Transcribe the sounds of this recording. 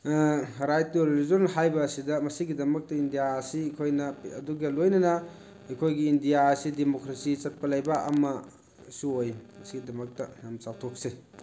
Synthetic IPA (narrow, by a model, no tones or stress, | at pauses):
ɾajtːuɾelizonɦajbɐːsidɐmɐsiɡidɐmɐk̚tɐindijaɐsikʰojnɐɐ̰duɡɐlojnɐnɐ | ɐjkʰojɡiːndijaɐsidemokɾesit͡ʃɐt̚pɐlɐjbɐɐ̰mɐ | suojmɐsiɡidɐmɐk̚tɐnamsawtʰok̚se